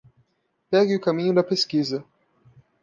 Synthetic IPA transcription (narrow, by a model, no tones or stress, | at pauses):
pɛɡɪʊkamĩɲʊd̪ɐpeskizɐ